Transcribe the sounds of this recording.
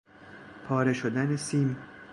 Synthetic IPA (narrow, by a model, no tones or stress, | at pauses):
pʰɒːɾe̞ʃod̪ænesiːm